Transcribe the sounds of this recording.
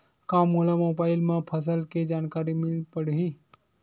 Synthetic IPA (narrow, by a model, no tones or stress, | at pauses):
kaːmɦolamoːbaːɪlmãpʰəs̬əlked͡ʒaːnkaːɾimɪlpəɽɦiː